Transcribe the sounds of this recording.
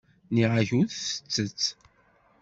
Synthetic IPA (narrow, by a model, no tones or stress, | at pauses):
niʁaçuθθə̥t͡sːət͡sː